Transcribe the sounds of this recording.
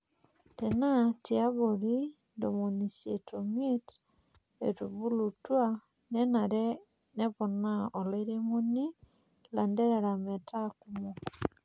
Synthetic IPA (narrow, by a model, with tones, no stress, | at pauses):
tena˦tia˦βoli | ndo˨mo˨nise˨tʰome˦t | ḛ˨tu˨βulutwa˦ | ne˦naɾe˦ | ne˦βɔ˨na˦o˨laiɾe˦mo˦ni˦ | lande˦ɾe˨ɾa˨me˨ta˦kumo˨